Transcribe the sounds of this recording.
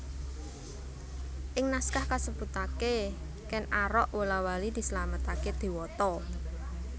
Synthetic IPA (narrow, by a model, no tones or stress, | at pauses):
ʔɪŋnaskahkasəb̥ṳt̪ake | kɛnaɾɔʔwəlawalid̪̥i̤səlamət̪aked̪̥i̤wɔt̪ɔ